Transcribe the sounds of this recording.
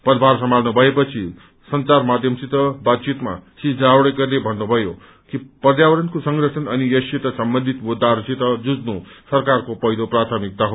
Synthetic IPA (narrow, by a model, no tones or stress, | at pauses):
pʌd̪ʱbʱarsʌmalnubʱʌepʌt͡sʰi | sʌnt͡sarmad̪ʱjʌmsit̪ʌbat̪̚t͡sit̪ma̰sid͡zawɽʌkʌrnebʱʌnːubʱʌjo | kipʌd̪jawʌɾʌnkosʌŋɡrʌsʰʌnʌnijʌsit̪ʌsʌmbʌnd̪ʱit̪mud̪arsit̪ʌd͡zud͡znusʌrkarkopʌɦjloprat̪ʰʌmik̚d̪aɦ